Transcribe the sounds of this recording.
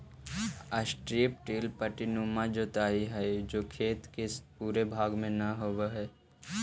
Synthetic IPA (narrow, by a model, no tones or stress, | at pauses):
əsʈɾip̚ʈiːlpəʈinumãd͡ʒot̪aːiɦɛd͡ʒoːkʰeːt̪kespuːɾebʱaːɡmẽnəɦoʋeɦɛː